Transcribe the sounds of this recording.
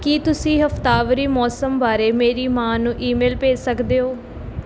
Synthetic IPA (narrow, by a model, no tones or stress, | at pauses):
kiːt̪ʊsĩːɦəft̪aːʋəɾiːmɔːsəmbaːɾeːmeːɾiːmãːnũːʔiːmeːlpeːsəkd̪eːɦoː